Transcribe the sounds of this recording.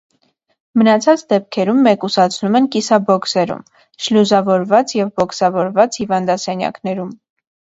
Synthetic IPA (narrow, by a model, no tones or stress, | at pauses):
mənɑt͡sʰɑt͡sd̪ɛp̚kʰɛɾumːɛkusɑt͡sʰnumɛnkisɑbɔksɛɾṵm | ʃluzɑvɔɾvɑt͡sjɛvbɔksɑvɔɾvɑt͡shivɑnd̪ɑsɛnjɑ̰knɛɾum